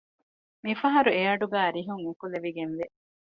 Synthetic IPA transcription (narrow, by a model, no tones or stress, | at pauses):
mifɐɦɐɾueɐɖuɡæːɾiɦuŋikuleʋiɡenʋe